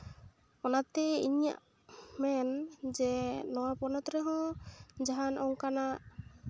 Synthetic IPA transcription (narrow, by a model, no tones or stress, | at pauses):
ɔnat̪ɛiɲa̰ʔ | mɛnd͡ʒɛnɔwapɔnɔt̪ɾɛɦɔ̃d͡ʒaɦanɔŋkanaʔ